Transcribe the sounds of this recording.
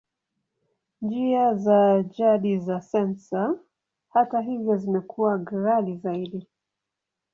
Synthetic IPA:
nd͡ʒiazaʄaɗizasɛnsa | hataɦivjɔzimɛkuwaɡɾalizaiɗi

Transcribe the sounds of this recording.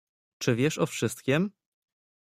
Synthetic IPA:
t͡ʂɘvʲjɛʂɔfʂɘst̪̚kʲɛm

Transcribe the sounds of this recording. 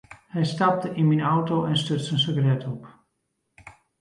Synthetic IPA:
hɛjstap̚təʔinminawtoɛnstøtsənsøɡərɛtʰɔp

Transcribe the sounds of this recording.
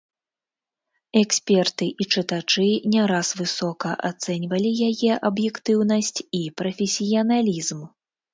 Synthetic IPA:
ɛksʲpʲɛrt̪ɨʔit͡ʂɨt̪at͡ʂɨnʲɛɾasvɨsɔkɐʔat̪sɛnʲvɐlʲijajɛʔɐbjɛkt̪ɨwn̪ɐsʲt͡sʲipɾɐfʲɛsʲijɐnalʲizm

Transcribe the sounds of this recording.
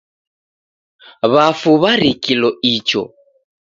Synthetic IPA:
βafuβaɾikilɔit͡ʃɔ̰

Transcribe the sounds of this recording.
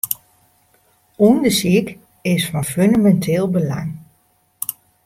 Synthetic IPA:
undəsik | ɪsfɔnføndamɛntʰɪːlˠbəla̰ŋ

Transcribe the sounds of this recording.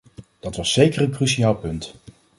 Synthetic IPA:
d̥ɑtʋɑsːejkərənkrysiaːlˠpɵnt

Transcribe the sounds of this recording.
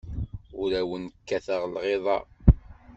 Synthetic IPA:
ʊɾæwənəkːæθəʁlʁeðˤɑ̰

